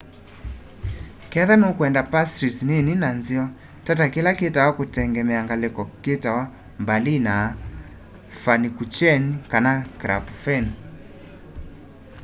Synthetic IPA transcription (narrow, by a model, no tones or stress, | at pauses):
kɛðanokuɛndapastɾisnininanziɔ | tatakilaketawakutɛŋɡɛmɛaŋɡalɛkɔketawa | mbalina | fanikut͡ʃɛnikanakɾa̰pfɛn